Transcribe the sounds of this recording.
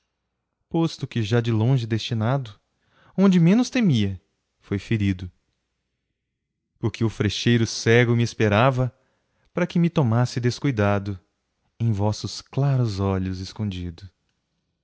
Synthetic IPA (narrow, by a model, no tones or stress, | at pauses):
post̪ʊkɪʒad͡ʒɪlõʒɪd̪est͡ʃinad̪ʊ | õnd͡ʒɪmẽnʊst̪emiɐ | fojfeɾid̪ʊ | pʊɾkʰɪʊfɾeʃejɾʊsɛɡʊmɪespeɾavɐ | paɾɐkɪmɪt̪omasɪd̪eskujd̪ad̪ʊ | ẽj̃vɔsʊsklaɾʊzɔʎʊzɪskõnd͡ʒid̪ʊ